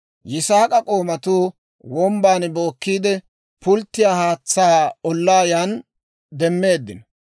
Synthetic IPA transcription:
jɪsaːkʼɐkʼo̞ːmɐt̪uː | wɔmbaːnbo̞ːkːiːd̪ɛ | pʊlt̪ːɪjaːhaːt͡sːaːɔlːaːjan | d̪ɛmːe̞ːd̪ːɪnɔ

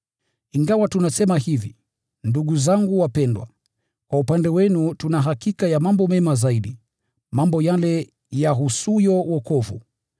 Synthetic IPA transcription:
iŋɡawatunasɛmahivi | nduɠuzaŋɡuwapɛndwa̰ | kwaupandɛwɛnutunaɦakikajamambɔmɛmazaiɗi | mambɔjalɛ | jaɦusujɔwɔkɔvṵ

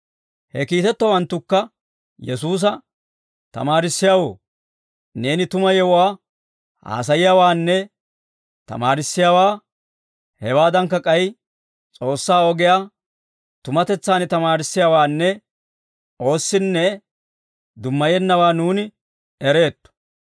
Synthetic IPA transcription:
hɛkiːt̪ɛt̪ːɔwɐnt̪ːʊkːɐ | jɛsuːs̬ɐ | t̪ɐ̰maːɾɪsːɪjaːwo̰ː | ne̞ːnɪt̪ʊmɐjɛwwaː | ha̰ːs̬ɐjɪjaːwaːnːɛ | t̪ɐ̰maːɾɪsːɪjaːwaː | hɛwaːd̪ɐŋk̬ːɐkʼɐj | t͡sʼo̞ːsːaːɔɡɪjaː | t̪ʊmɐt̪ɛt͡sːaːnt̪ɐmaːɾɪsːɪjaːwaːnːɛ | o̞ːsːɪnːɛ | d̪ʊmːɐjɛnːɐwaːnuːnɪ | ɛɾe̞ːt̪ːʊ̥

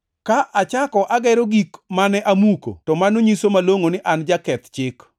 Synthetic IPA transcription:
kaʔat͡ʃakɔʔaɡɛɾoɡikmanɛʔamuko̰tɔmanoɲisomaloŋonɪʔand͡ʒakɛt̪t͡ʃɪk

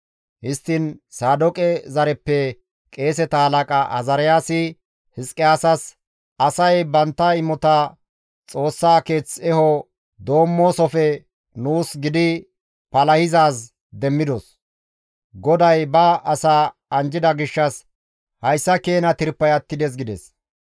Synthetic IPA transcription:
hɪst̪ːɪnsaːd̪ɔkʼɛzɐɾɛpːɛ | kʼe̞ːs̬ɛt̪ɐhɐlɐkʼɐʔɐ̰zɐɾɪjaːsɪ | hɪskʼɪaːsɐs | ɐsɐjbɐnt̪ːɐɪmːɔt̪ɐ | t͡sʼo̞ːsːaːke̞ːt͡sɛhɔ | d̪o̞ːmːo̞ːsɔfɛ | nuːsɡɪd̪ɪ | pɐlɐhɪzaːs | d̪ɛmːɪd̪ɔs | ɡɔd̪ɐjbɐʔːsaːɐnd͡ʒɪd̪ɐɡɪʃːɐs | hɐjsːɐke̞ːnɐt̪ɪɾpːɐjɐt̪ːɪd̪ɛs̬ɡɪd̪ɛs

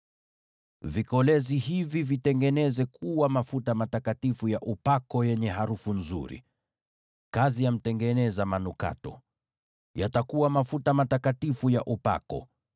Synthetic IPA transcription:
vikɔlɛzihivivitɛŋɡɛnɛzɛkʰuwamafutamatakatifujaʔupakɔjɛɲɛɦaɾufunzṵɾḭ | kazijam̩tɛŋɡɛnɛzamanuka̰tɔ̰ | jatakuwamafutamatakatifujaʔupa̰kɔ̰

